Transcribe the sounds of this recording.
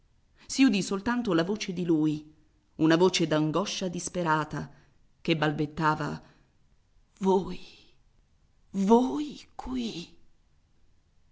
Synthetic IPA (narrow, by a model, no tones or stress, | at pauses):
siud̪isolt̪ant̪olavoːt͡ʃed̪iluːj | unavoːt͡ʃed̪aŋɡɔʃːad̪ispeɾaːt̪a | kebːalbet̪ːaːva̰ | voːj | vojkʰwi